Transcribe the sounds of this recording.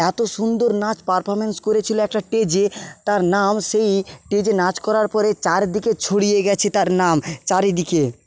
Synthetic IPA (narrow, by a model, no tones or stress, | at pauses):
ɛt̪oʃund̪oɾnat͡ɕpaɾpʰɔɾmenskoɾet͡ɕʰiloɛk̚ʈaʈed͡ʑet̪aɾnamʃejʈed͡ʑenat͡ɕkɔɾaɾpɔɾet͡ɕaɾd̪iket͡ɕʰoɽijeɡɛt͡ɕʰet̪aɾnamt͡ɕaɾed̪ike